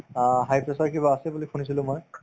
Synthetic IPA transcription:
ɦajpɹesaɹkibaːsɛbulikʰunisilʊ̃moj

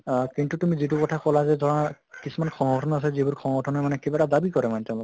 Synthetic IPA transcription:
kintutumizitukɔtʰakɔlazɛdʱɔɹɔna | kisumanxʰɔŋɡɔtʰɔnɔas̬ɛzibuɹxʰɔ̃ŋɡɔtʰɔnɔɹmanɛkebatadabikɔɹɛmanɛtɛʊ̃lɔk

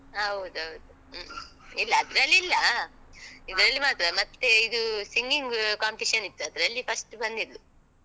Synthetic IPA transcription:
ɦɐwd̪uɐwd̪u | ilːɐːd̪ɾɐlːiilːɐ | id̪ɾɐlːimaːt̪ɐɾɐmɐt̪ːeid̪usiŋɡiŋɡkaːmpiʃɐnit̪ːuɐd̪ɐɾɐlːipʰɐsʈbɐnd̪id̪lu

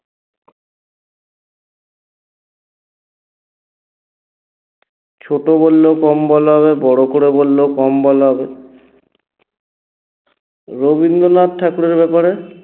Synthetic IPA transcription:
t͡ɕʰoʈobolːeokɔmbɔloɦɔβebɔɽokoɽebolːeokɔmbɔloɦɔbe | ɾobind̪onat̪ʈʰːakuɽeɾbɛpaɾe

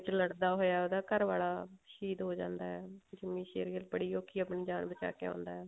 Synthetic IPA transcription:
t͡ʃləɽd̪aːɦoːjaːoːd̪aːkəɾʋaːɭaːʃiːd̪ɦoːd͡ʒãːnd̪aːɛːd͡ʒɪmːĩːʃeːɾjəlbəɽiːjoːkiːaːpɳiːd͡ʒaːnbət͡ʃa̰ːkeã̰ːnd̪aːɦɛː

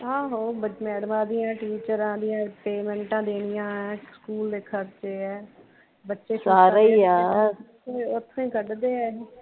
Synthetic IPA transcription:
ãːɦoːbəmɛːɖmãːd̪ijãːʈiːt͡ʃəɾãːd̪ɪjãːpeːmɛ̃ːɳʈãːd̪eːnɪjãːɛ̃ːskuːlːɪkʰːəkt͡ʃeːɛː | bətːʃeːsaːɾəiːaː | eʊt̪ʰːõĩːkəɖd̪eːɛː

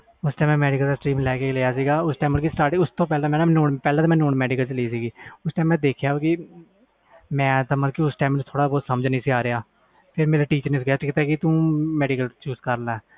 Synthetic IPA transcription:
ʊsʈaːmɛ̃mɛːɖɪkəld̪aːsʈɾiːmlɛːkeːleːjaːsiːɡaːʊsʈɛːmːəlkisʈaːɾʈːʊst̪ʰõːpɛːlemɛ̃ːnanoːɳpɛːlɛ̃t̪ːmɛ̃ːnoːɳmɛːɖɪkəlt͡ʃleiːsiːɡiːʊsʈaːmɛ̃ːd̪eːkʰjaːoːkɪ | mɛ̃ːt̪ãːməkiːʊsʈaːmt̪ʰoːɽaːbɔːt̪səməd͡ʒnĩːsɪaːɾeaː | pʰɪɾmeːɾaːʈiːt͡ʃəɾnɪsɡeaːtɪkt̪aːkit̪ũːmɛːɖɪkəlt͡ʃuːzkəɾlaːɛː

